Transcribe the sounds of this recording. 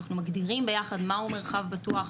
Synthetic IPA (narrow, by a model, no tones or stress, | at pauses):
aχnumaɡdiʁimbe̞jaχad̪mahumeʁχavbatuaχ